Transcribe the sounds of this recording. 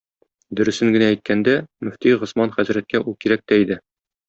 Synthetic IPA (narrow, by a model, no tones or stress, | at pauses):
d̪ɵ̆ɾɵ̆sɘŋɡɘ̆næːjt̪̚kænd̪æmɵ̆ft̪iʁŏsmɑnχæzɾæt̪̚kæʔulˠkiɾæk̚t̪æid̪ɘ